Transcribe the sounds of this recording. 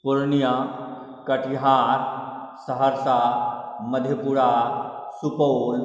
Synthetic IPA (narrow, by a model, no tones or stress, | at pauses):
puɾnja | kəʈʰiɦaɾsəɦəɾsaməd̪ʱjepuɽasupol